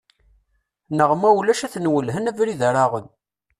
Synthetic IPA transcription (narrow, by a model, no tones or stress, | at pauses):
nəʁmæwlæʃæθnwəlɦənævɾiðəɾaʁən